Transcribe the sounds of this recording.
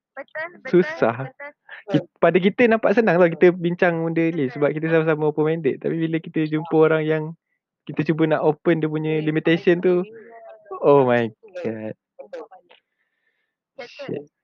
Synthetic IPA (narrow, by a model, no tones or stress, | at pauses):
susah | kipadəkit̪ənampaʔsənãŋt̪ɔhkit̪əbiɲt͡ʃaŋmundəlisəbap̚kit̪əs̬amasaməopəmɛndəʔ̪̚t̪a̰pibiləkit̪əd͡ʒumpəoɾaŋjaŋ | kit̪ət͡ʃubənaʔopəndəp̬uɲə̃limit̪esənt̪u | omajɡat̪̚ | ʃɪ̰ʔ̚